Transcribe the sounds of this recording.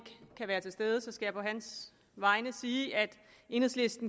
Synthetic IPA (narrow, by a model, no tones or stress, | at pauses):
ɡ̥kʰæʋæːɐt͡sʰe̝lsd̥eð̞ˠəsɒ̽sɡ̥æjɑ̈ɪpʰɒ̽ɦæns | ʋɑ̈ɪnəsiːʔæd̥ | e̝n̩ˠsle̝sd̥n̩